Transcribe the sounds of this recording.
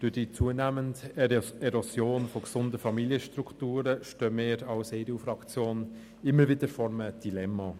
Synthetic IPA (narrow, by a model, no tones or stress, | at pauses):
d̥ʊd̥it͡suənæːməntɛɾosjoːnfɔksʊndəfɑmiljəʃtɾuktuːɾəʃtœːmɪːɾɑlsɛɪɾuːfɾɑkt͡sjoːn | ɪmːəʋɪdəɾfɔɾməd̥ilɛmːɑ